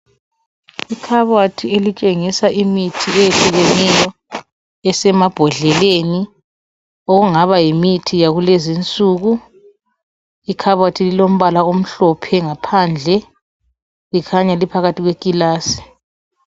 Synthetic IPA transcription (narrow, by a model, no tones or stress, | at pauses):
ikʰaβwatʰielit͡ʃʼeŋisaʔimitʰiejeɬʼiɣɛnɛjɔ | ɛsɛmab̥ʱɔɮɛleni | oɣuŋaβajimitʰijaɣulezint͡sʼuːɣu | ikʰaβwatʰililom̩βalaom̩ɬɔpʰɛŋapʰand͡ɮʱɛ | likʰaɲalipʰaɣatʰiɣwekʼilaːsi̥